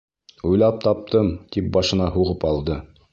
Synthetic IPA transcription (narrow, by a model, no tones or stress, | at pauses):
ujlˠɑp̚t̪ɑp̚t̪ɤmt̪ip̚bɑʃɤ̆nɑɦuʁɤpɑlˠd̪ɤ